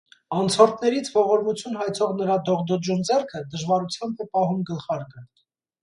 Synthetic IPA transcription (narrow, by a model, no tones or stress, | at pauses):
ɑnt͡sʰɔɾt̪̚ʰnɛɾit͡sʰvɔʁɔɾmut͡sʰjunɦɑjt͡sʰɔʁnəɾɑd̪ɔʁd̪ɔd͡ʒund͡zɛrkʰəd̪əʒvɑɾut͡sʰjɑmbʰɛpɑɦumɡəlχɑɾɡə